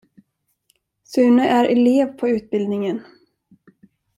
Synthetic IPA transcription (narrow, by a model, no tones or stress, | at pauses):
sʉːnəʔæɾʔɛleːvpʰɔʉ̟ːt̪̚bɪld̪nɪŋən